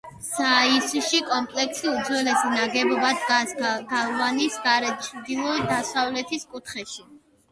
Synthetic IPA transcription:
saisuʃikʼɔmpʼlɛksid̪zwɛlɛsinaɡɛbɔbad̪ɡasɡalˠvanisɡaɾɛt͡ʃʰɾd̪ilˠɔd̪asavlɛt̪ʰiskʼut̪ʰχɛʃi

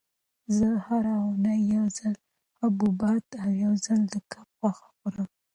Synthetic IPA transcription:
zəhaɾaʊnajːawzal | abubɑt̪awjawzəld̪əkʰapxwaxḁxuɾəm

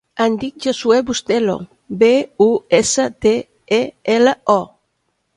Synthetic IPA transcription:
and̪ik̚ʒosuɛbust̪elo̰ | beuesət̪e | eeləɔ

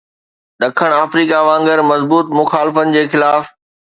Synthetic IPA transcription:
ɗ̪ɐkʰəɽ̃aːfɾiːkaʋãːŋɡəɾmɐzbuːt̪mʊxaːlɪfənɪ̆d͡ʑeːxɪlaːf

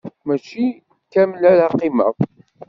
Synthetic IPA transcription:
mæt͡ʃi | kæməlælaqːimæ̰

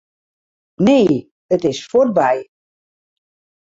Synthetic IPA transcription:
neː | ətɪsfɔr̚bɛj

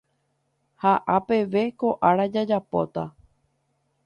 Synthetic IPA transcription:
haʔape̞ʋe̞koʔaɾad͡ʒad͡ʒapo̞̰t̪a

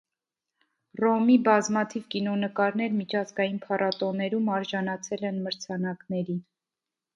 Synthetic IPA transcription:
rɔmibɑzmɑt̪ʰivkinɔnəkɑɾnɛɾmit͡ʃʰɑzɡɑjinpʰɑrʔɑt̪ɔnɛɾumɑɾʒɑnɑt͡sʰɛlɛnməɾt͡sʰɑnɑknɛɾi

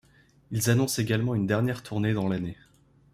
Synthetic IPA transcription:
ilzanɔ̃seɡalmɑ̃ynd̪ɛʁnjɛʁt̪ʰuʁned̪ɑ̃lane

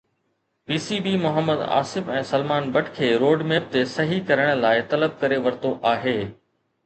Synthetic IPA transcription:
piːsibiːmʊɦəmːəd̪a̰ːsɪfɛ̃ːsɐlmaːnbɐʈʰkʰeːɾoːɖmeːp̚t̪esɐɦikɐɾəɽ̃laːɪt̪ɐləb̚kɐɾeʋɐɾt̪oʔaːɦeː

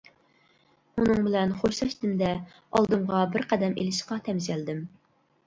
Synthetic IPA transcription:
unɨŋbɪlɛnχoʃsɑʃt̪ɪnd̪ɛ | ɑlˠd̪ɨmʁɑbɪɾqæd̪ɛmḛlɪʃqɑt̪ʰɛmzɛld̪ɪm

